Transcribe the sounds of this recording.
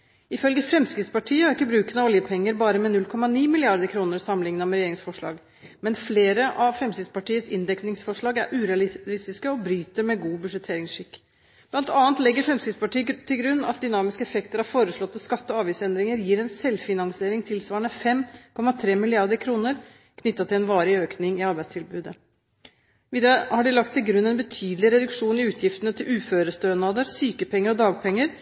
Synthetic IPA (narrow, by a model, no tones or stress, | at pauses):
ɪfœlɡəfɾɛmskɾɪt̪spɑʈʰiːəɑɾɪkːəbɾʉːkənəɔljəpʰɛŋːəɾbɑːɾəmɛnʉlkʰɔmɑniːmɪlɪɑɾd̪əkʰɾuːnəɾsɑmːlɪŋnɑmɛɾɛjeːɾɪŋsfɔʂɭɑ̰ːɡ | mɛnfleːɾəʔɑʋfɾɛmskɾɪt̪spɑʈiːəsɪ̰nd̪ɛknɪŋsfɔʂɭɑːɡæ̰ɾʔʉːɾɛɑlɪlɪst̪ɪskəɔbɾyːt̪əɾmɛɡuːbʉʂɛt̪ʰeːɾɪŋsʂɪkː | b̥lɑnt̪ɑːnt̪lɛɡːəɾfɾɛmskɾɪt̪spɑʈiːət̪ʰːɪlɡɾʉnːɑ̰t̪̚d̪ʏnɑːmɪskəɛfɛkt̪əɾɑfoːɾəʂɭɔt̪ːəskɑt̪ːəɔɑːʋiːsɛnd̪ɾɪŋəɾjiːɾɛnsɛlfɪnɑŋsɪeːɾɪŋt̪ʰɪlsʋɑːəɳəfɛmkʰɔmːɑt̪ʰɾeːmɪlɪɑɾd̪əɾkʰɾuːnəɾ | kʰnʏt̪ːɑt̪ʰɪlɛnʋɑːɾɪøːknɪŋɪɑɾbæɪst̪ʰɪlbʉːd̪ə | ʋiːd̪hɑɖɪlɑkt̪ʰːɪlɡɾʉnːɛnbət̪ʰyːd̪lɪɾɛd̪ʉkʂuːnɪʉːt̪ʰjɪft̪ənət̪ʰɪlʉːføːɾəst̪øːnɑd̪əɾsyːkəpʰɛŋːəɾɔd̪ɑːɡ̚pʰɛŋːəɾ